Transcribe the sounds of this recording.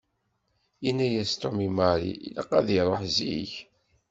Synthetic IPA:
inːæjæst̪omimaɾḭləqːɑðiɾˤoħziç

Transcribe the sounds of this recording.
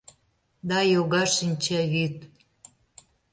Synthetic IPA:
d̪ɑjoɣɑʃinʲt͡ɕæβyt̪

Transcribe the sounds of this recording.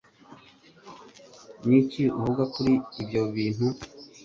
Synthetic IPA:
niciuhuɡakuɾiibɟoβiːn̥hu

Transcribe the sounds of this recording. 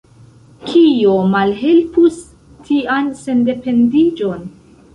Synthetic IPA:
kʰiomalɦe̞lpus | tʰianse̞nde̞pe̞ndid͡ʒo̞n

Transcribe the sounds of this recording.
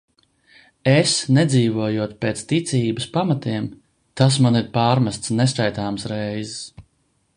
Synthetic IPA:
esnɛd̪ziːvuɔjuɔt̪̚peːt̪st̪it̪siːbɨspamat̪iɛm | t̪as̬maniɾpaːɾmast̪snɛskajt̪aːmsɾɛjzs

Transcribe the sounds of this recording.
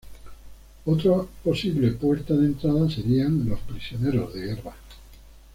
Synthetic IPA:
ot̪ɾapo̞siβle̞pwe̞ɾt̪aðent̪ɾaðase̞ɾianlo̞spɾisjo̞ne̞ɾo̞zðe̞ɣe̞rβa

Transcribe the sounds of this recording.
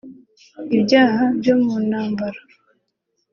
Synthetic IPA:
ibɟaːhabjo̞munhaːmbaɾḁ

